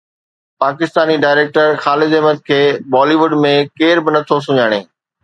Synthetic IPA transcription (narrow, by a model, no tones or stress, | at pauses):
paːkɪst̪aːniɖaːɪɾeːk̚ʈəɾxaːlɪd̪ɛɦməd̪̚kʰeːbɔːliʋʊɖmẽkeːɾbɪnɐt̪ʰos̬ʊɲaːɽ̃ḛː